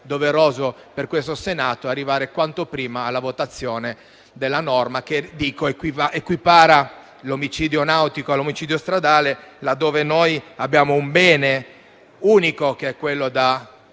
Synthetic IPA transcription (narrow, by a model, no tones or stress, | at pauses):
d̪oveɾoːzo | perkwest̪osenaːt̪oarːivaːɾekwant̪opɾiːmaːlːavot̪at̪sːjoːne | d̪elːanɔrmaked̪iːkoekwiaʔekwipaːɾa | lomit͡ʃiːd̪jonawt̪ikoalomit͡ʃiːd̪jost̪ɾad̪aːlelad̪ːoːvenojabjaːmoumbɛːne | uːnikokeɛkːwelːod̪a